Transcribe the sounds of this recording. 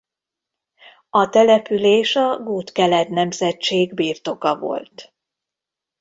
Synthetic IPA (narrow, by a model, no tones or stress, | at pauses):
ɒt̪ɛlɛpyleːʃɒɡuːt̪kɛlɛt̪nɛmzɛt͡ʃeːɡbiːrt̪o̞kɒvo̞̰lt̪